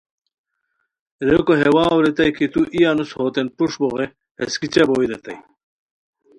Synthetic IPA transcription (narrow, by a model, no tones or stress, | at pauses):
ɾekoɦewaːwɾet̪ɐjkʰit̪uʔijanushoːt̪enpuʂboʁe | heskit͡ɕeboiɾet̪ɐj